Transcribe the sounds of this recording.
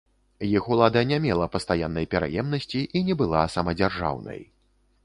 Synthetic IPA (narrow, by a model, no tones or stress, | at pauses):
jixulˠad̪ɐnʲamʲɛlˠɐpɐst̪ajanːɐjpʲɛɾa̰jɛmnɐsʲt͡sʲiʔinʲɛbɨlˠasɐmɐd͡zʲarʐa̰wnɐ̰j